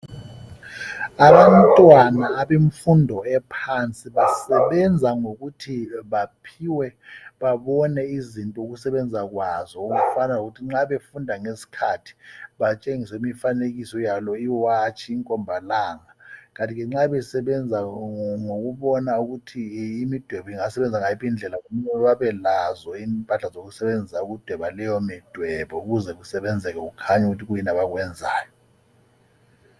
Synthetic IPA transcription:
aβantʼwanaːβeɱfundʱɔɛpʰant͡sʼiβasɛβɛnd͡zʱaŋoɣutʰiβapʰiwɛβaβɔnɛizintʼɔuɣ̬usɛβɛnd͡zʱak̬wazɔukufanauɣ̬utʰiŋ͡ǁaβefundʱaŋesi̥kʰatʰi̥βat͡ʃʼeŋisɛimifaneɣisɔjalɔiwat͡ʃʰiːŋkʼɔmbʱalaːŋak̬antʼiɣɛŋ͡ǁaβɛsɛɓɛnd͡zʱaŋoɣ̬uɓɔnauɣutʰiːmid̥ʱwɛβɔiŋasɛɓɛnd͡zʱaŋaipind͡ɮʱɛlakomuɲɛwaβɛlazɔimpʼaɬazoɣ̬usɛɓend͡zʱisauɣ̬ud̥ʱwɛɓalɛjɔmid̥ʱwɛɓɔuɣuzɛɣ̬usɛɓɛnd͡zʱɛk̬ɛkukʰaɲuk̬utʰiɣ̬ujinaɓaɣ̬wɛnd͡zʱa̰ːjɔ

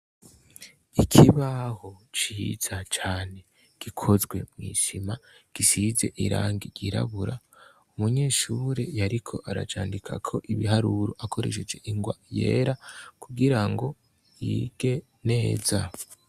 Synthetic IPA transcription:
ikʰiβaho̞t͡ʃiz̥at͡ʃaːne̞ | ɡ̥ikʰo̞zɡwe̞mŋiːʃimaɡ̥isize̞̰ʔiɾa̰ːŋɡiɾɟiɾa̰βuɾa | umuɲe̞ːʃuːɾe̞jaɾikʰo̞ʔaɾa̰t͡ʃaːndikʰa̰kʰo̞ʔiβiɦaɾuɾoʔakʰo̞ɾe̞̰ʃ̬ed͡ʒe̞ʔiŋɡwaje̞̰ːɾakuɡiɾaŋɡo̞ | jiːɡ̥e̞ | ne̞ːza

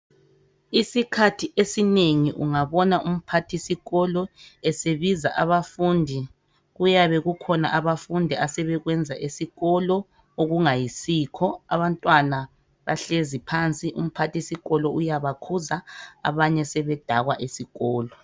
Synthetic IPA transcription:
isikʰatʰiʔesineŋiʔuŋaβɔnaʔum̩pʰatʰisiɣɔlɔɛseβizaʔaβafundʱi | ɣujaβɛɣukʰɔna̰ʔaβafundʱiasɛβɛɣwɛnd͡zʱaʔesiɣɔlɔ | oɣuŋajisiːkʰɔa̰βantʼwana | βa̰ɬezipʰant͡sʼiʔṵm̩pʰatisiɣɔlɔujaβakʰuzaa̰βaɲɛsɛβɛd̥ʱaɣwaʔesiɣɔːlɔ

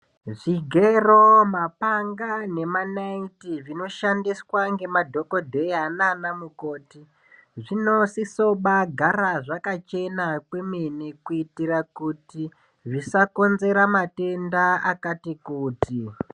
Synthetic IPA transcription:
ʐiɡʱeromapaŋɡane̞manaintiʐino̞ʃandiswaŋɡe̞madʱo̞ko̞dʱe̞iananamuko̞ːti | ʐino̞siso̞ɓaɡʱaɾaʐakat͡ʃe̞nakwemenikuitirakuti | ʐisako̞nze̞ɾamate̞ndaakatikuːtʰi

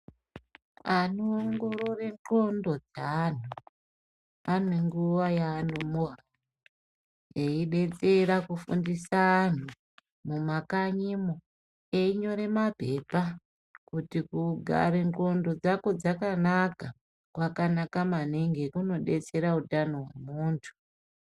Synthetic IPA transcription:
anoːŋɡo̞ɾo̞re̞ŋko̞ndo̞d͡zan̤u | aneŋɡuʋajaːnomoɦa | eiɗe̞t͡se̞rakufundisaːn̤u | mumakaɲimo | eiɲo̞ɾe̞mape̞pa | kutikuɡʱa̰ɾeŋko̞ndo̞d͡zakod͡zakanaka | kwakanakamaniŋɡekuno̞ɗe̞t͡se̞ɾautanoɦwḛmuːntʰu̥

